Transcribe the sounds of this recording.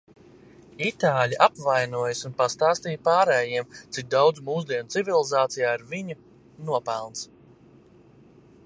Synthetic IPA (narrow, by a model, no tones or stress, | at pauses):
it̪aːlʲiʔapvajnuɔjəsunpast̪aːst̪iːjpaːɾɛːjiɛmt̪sik̚d̪awd̪zmuːzd̪iɛnt̪sivʲilˠizaːt̪sijaːiɾvʲiɲu | nuɔpɛlˠns